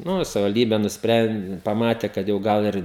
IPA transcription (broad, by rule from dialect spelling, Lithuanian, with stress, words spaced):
ˈnʊ ɪ sɐʋʲɪʋɐlʲˈdʲiːbʲɛ nʊsʲˈpʲrʲɛn pɐˈmɑːtʲɛ ˈkɐt jɛʊ ˈɡɐlˠ ɪr